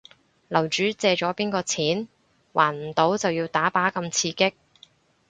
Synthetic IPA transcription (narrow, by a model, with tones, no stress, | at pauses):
lɐ˨˩wt͡ʃyː˨˥t͡sɛː˧t͡ʃɔː˨˥piː˥nkɔː˧t͡sʰiː˨˥n | wʔaː˨˩nm̩˨˩t̪o˨˥wt͡sɐ˨wjiː˧wt̪aː˨˥paː˨˥kɐ˧mt͡sʰiː˧kɪ˥k̚